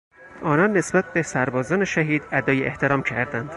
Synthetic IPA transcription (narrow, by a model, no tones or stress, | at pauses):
ʔɒːnɒnːe̞sbæt̪̚be̞sæɾbɒːzɒːneʃæɦiːd̪æd̪ɒːjeʔḛht̪ʰe̞ɾɒːmcʰæɾd̪ænd̪̥